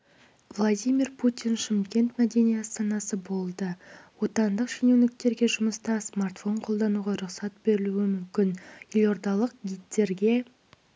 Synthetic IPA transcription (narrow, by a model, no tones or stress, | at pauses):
vlˠad̪ʲijmʲirpʰut̪ʲinʃɪmkʲe̞nt̪mæd̪e̞nijɑst̪ɑnɑsəbo̞lˠd̪əwo̞t̪ɑnd̪əqʃinewnɪk̚t̪e̞ɾɡʲe̞ʒʊməst̪ɑsmart̪fo̞ɴqʰo̞lˠd̪ɑnuʁɑɾʊqsɑt̪̚b̥e̞ɾɪluɪmʏmkʲɪnjelʲo̞ɾd̪ɑlˠəq̚ɡʲijt̪ːe̞ɾɡʲe̞